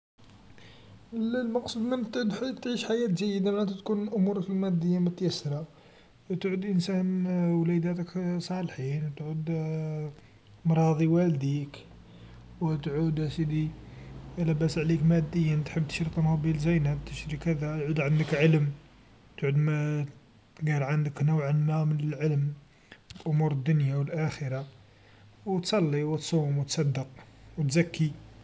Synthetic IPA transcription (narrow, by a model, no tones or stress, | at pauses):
llmɑqsˤud̪mənt̪ʕd̪t̪ʕiʃħajæt̪ʒəjːəd̪amænt̪æt̪kunʔʊmuɾəkəlmæd̪ːəjːamʊt̪jəsːɾɑ | t̪ʕud̪ʔənsænwlæd̪æt̪əksˤɑlħinwt̪ʕud̪ | mɾˤɑd̪ˤiwæld̪ik | wət̪ʕud̪sid̪iʔælæbæsʕlikmæd̪ːəjːənt̪ħəb̚ːt̪ə̥ʃɾit̪ˤɑnɑbilzæjnæbt̪əʃɾikæd̪æt̪ʕud̪ʕand̪əkʕəlm | t̪ʕud̪m | ɡæɾʕənd̪əknuwʕənmæmnəlʕəlm | ʔʊmuɾəd̪ːʊnjawəlʔæxəɾa | wt̪sˤɑlːiwt̪sˤumwət̪sˤɑd̪ːəq̚wət̪zækːi